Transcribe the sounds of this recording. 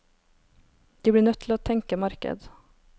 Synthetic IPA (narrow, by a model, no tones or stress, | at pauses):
d̪̥ɛblɪɳœt̪ːʰɪlat̪ʰːɛŋkəmaɾkə̰d̪